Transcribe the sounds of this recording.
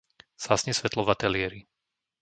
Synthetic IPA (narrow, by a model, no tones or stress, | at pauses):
z̥asɲɛsʋɛt̪lɔvat̪ɛlɪɛɾi